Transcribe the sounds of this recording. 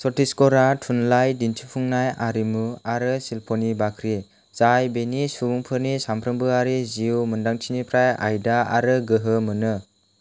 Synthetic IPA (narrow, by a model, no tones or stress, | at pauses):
sɔtiskɔɾatʰunlajdintʰipʰuŋnajaɾimuaɾɯsilpʰonibakʰɾi | z̥ajbenisubuŋpʰɯɾnisampʰɾɯmbɯaɾiziumɯndaŋtʰinipʰɾaja̰jdaa̰ɾɯɡɯɦɯmɯnɯ